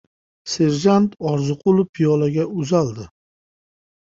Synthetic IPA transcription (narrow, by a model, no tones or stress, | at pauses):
se̞ɾʒant̪ʰɒɾzɨqʰʊlˠʊpʰijɒlaɡʲaʊzald̪ɪ